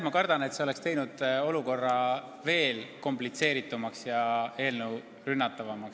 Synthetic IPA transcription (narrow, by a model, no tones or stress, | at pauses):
mɑkɑrd̪̥ɑne̞t̪se̞ole̞kst̪e̞jnud̪̥o̞luko̞rːɑ | ve̞ːlko̞mplit̪se̞ːɾit̪ːˑumɑksjɑe̞ːlnew | rynːɑt̪ːˑɑvɑmɑks